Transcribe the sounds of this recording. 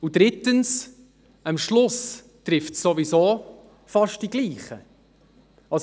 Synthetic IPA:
udɾɪtəns | əmʃlʊs | tɾɪftsːovizoː | fɑʃt̚d̥iɡliːχə | ɑs

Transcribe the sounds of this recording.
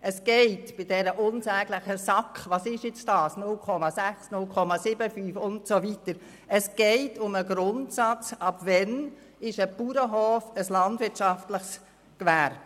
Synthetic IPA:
ʔəsɡ̥ɛɪtb̥ɪd̥ɛɾəʔʊnsɛːɡləχəsɑkχʋɑsɪʃjɪt͡stɑːsnʊlkʰɔmɑsæχsnʊlkʰɔmɑsɪbəfyːfʊntsovitəɾ | əsɡ̥ɛɪtʊməɡɾʊntsɑt͡sɑpvɛn | ɪʃəpuɾəɦɔːfəslɑndvɪtt͡ʃɑftləχs | kʋæɾb

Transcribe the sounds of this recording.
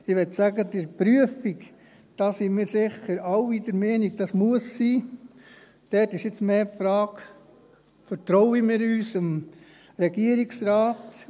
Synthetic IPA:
ɪʋɛtsæɡədəɾpɾyəfik | d̥ɑːsimɪːɾsɪχəɾɑwidəɾmɛːniɡ̚d̥ɑsmuəsːiː | d̥ɛtɪʃɪt͡smeːpfɾɑːɡ | fəɾt̪ɾɔʊimɪːɾyːsəm | ɾɛɡiəɾiksɾaːt

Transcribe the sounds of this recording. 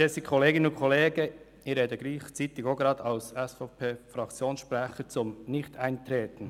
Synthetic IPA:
dɛsikʰoleːɡɪnənʊnkʰoleːɡə | iɾeːdəɡɾiːχt͡siːt̪ɪɡoɡɾɑːdʰaʊsɛsfɔpʰeːfɾɑkt͡sjoːnsʃpɾɛχət͡sʊmnɪçtaɪnt̪ɾeːt̪n̩

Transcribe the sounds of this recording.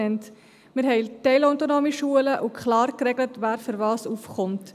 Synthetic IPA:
ɛnt | mɪɾɦɛɪtɛɪlɔʊtonoːmiʃuələʔukʰχlɑːɾkɾɛɡlətʋæːɾføɾvɑːsufχʊmt

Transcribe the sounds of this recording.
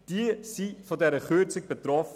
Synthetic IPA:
d̥iəsifɔdɛɾəχøt͡sɪk̚b̥etɾɔf

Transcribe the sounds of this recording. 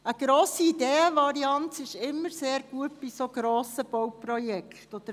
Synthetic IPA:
əɡ̥ɾoːsiːdeːəʋɑɾiɑntɪʃɪmːəɾseːɾɡ̥uət̚b̥isoɡ̥ɾoːsəb̥ɔwprɔjɛktɔd̪əɾ

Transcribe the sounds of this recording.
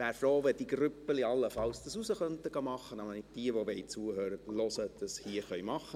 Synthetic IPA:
ʋæːɾfɾoːʋɛd̥iɡɾʏpːəliɑlːəfɑlsd̥ɑsusəχœnt̪əɡ̥ɑmɑχənɑmənɪd̥iəʋoʋeɪt͡suːəhøːɾətlɔsəd̪̥ɑshiəχœʏmɑχə

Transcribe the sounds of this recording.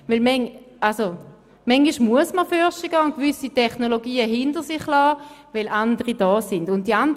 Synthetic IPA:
vɪlmɛŋʔalso | mɛŋɡiʃmuəsməfœɐʃiɡ̥ɑːʊnt̚kvʏsitʰɛχnoloɡiːəɦɪndəʁsɪχlɔːvɛlʔandəʁid̥ɔːsɪndʊnt̚d̥iand

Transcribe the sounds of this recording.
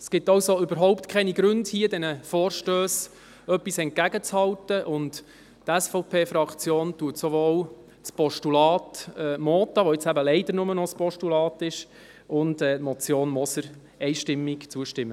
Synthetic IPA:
sɡ̥ɪtɑwsoʏbəɾɦɔʊptkʰɛniɡɾʏndhiədɛnəfoːɾʃtøːs | œpːisɛnt̚kæɡət͡shɑwtəʔʊnt | tɛsfɔʊpʰeːfɾɑkt͡sjoːntuətsɔʋoːw | t͡spɔʃtulɑːtɛːmoːt̪ɑʋoɪt͡sæbəlɛɪd̥əɾnʊmənɔspɔʃtulɑːtɪʃ | ʊndɛːtmɔt͡sjoːnmɔsəɾ | ɛɪʃtɪmːikt͡suəʃtɪmːə

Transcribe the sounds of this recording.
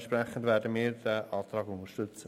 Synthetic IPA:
nʃprɛχən̩dvɛːɾdəmiːɾdɛʔɑːtɾɑːɡʊnəʃtʏt͡sə

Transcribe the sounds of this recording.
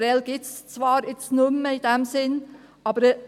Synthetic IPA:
ɾɛlɡ̥ɪtst͡svɑːɾɪsnʊməɪd̥ɛmsɪnʔɑːbəɾ

